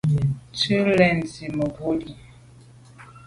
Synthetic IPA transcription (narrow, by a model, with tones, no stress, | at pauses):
tʉ˦lɛ˨n˨zi˨mə˨ɡo˦li˨